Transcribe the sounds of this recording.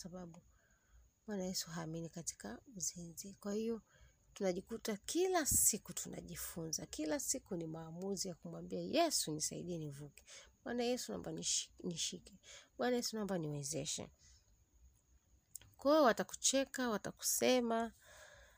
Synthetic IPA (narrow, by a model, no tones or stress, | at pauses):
saɓaɓu | ɓwanajɛsuɦaːminikati̥kauzinzikwahijɔ | tunaʄikutakʰilasikutʰuna̰ʄifunzakilasikunimaːmuzijakumwambiajɛsunisaḭɗiɛnivukɛ̥ɓwanajɛsuna̰mbanniʃikɛɓwanajɛsunambaniwɛzɛʃɛ̰ | kwawɛwataku̥t͡ʃɛkawataku̥sɛma